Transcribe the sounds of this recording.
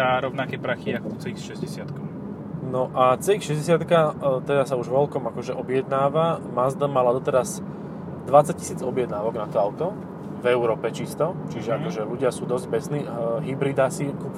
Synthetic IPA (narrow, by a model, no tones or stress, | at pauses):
aɾɔʊnakɛːpɾaxiakɔɔt͡sɛixʃɛzɟɛsɪat̪kɔm | nɔʔat͡sɛixʃɛzɟɛs̬ɪat̪kat̪ɛd̪asauʒʋɔlkɔmakɔʒɛʔɔbɪjɛd̪naːʋamazd̪əmalad̪ɔt̪ɛɾaz | d̪ʋat͡sac̚ci̥siːd͡zɔbjɛd̪naːʋɔɡnat̪ɔaʊt̪ɔ | vɛʊɾɔːpɛt͡ʃist̪ɔt͡ʃiʒɛakɔʒɛluɟɪasuːd̪ɔzɟ̚bɛsniːɦibɾid̪aːsiku